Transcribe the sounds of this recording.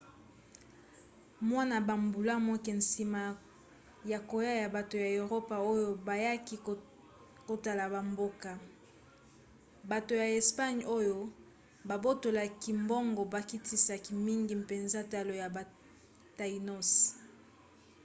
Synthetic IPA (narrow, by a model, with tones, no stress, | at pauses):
mwa˦na˨ba˨mbu˨la˦mwɔ˦ke˨n˨si˨ma˨ | ja˨ko˨ja˦ja˨ba˨to˨ja˨o˨ʁo˦pa˨o˦jo˦ba˨ja˦ki˦ | ko˨ta˨la˨ba˨mbo˦ka˨ | ba˨to˨ja˨e˨spa˦ɲo˦jo˦ | ba˨bo˦to˨la˨ki˨mbo˦ŋɡo˨ba˨ki˦ti˦sa˨ki˨mi˦ŋɡi˨m̩pe˨nza˦ta˨lo˨ja˨ba˨ | ta˨i˨no˦s